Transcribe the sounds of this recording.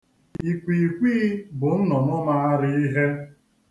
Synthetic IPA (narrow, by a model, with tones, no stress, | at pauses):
i˨kʷi˨kʷi˦bʊ˨n̩˦nɔ˨nʊ˦ma˦a˦ɾɪ˦i˦ɦe˦